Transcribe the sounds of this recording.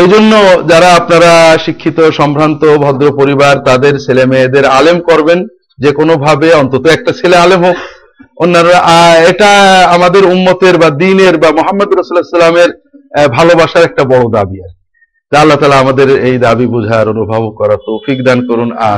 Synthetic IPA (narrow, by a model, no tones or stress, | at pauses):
ejd͡ʑonːod͡ʑaɾaapnaɾaʃikʰːit̪oʃɔmpʰɾant̪obʱɔd̪ɾopoɾibaɾt̪ad̪eɾselemed̪eɾalemkoɾben | d͡ʑekonobʱabeɔnt̪ot̪oɛk̚ʈat͡ɕʰilealemɦok | onːaɾaaeʈaamad̪eɾumːot̪eɾbad̪ineɾbamoɦamːɐd̪ɾʌsulesulameɾ | bʱalobaʃaɾɛk̚ʈabɔɽod̪abia̰t͡ɕʰe̥ | t̪aalːat̪aːlaamad̪eɾejd̪abibud͡ʑʱaɾonubʱabokɔɾat̪owfik̚d̪ankoɾuna̰